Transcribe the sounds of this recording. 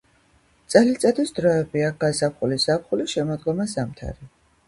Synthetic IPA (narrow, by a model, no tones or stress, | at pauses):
t̪sʼɛlit̪sʼad̪isd̪̥ɾɔɛbiaɡazapχuliszap̚ʰχuliʃɛmɔd̪ɡɔmazamt̪ʰa̰ɾi